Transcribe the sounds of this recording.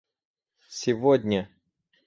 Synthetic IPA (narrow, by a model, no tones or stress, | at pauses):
sʲɪvodʲnʲə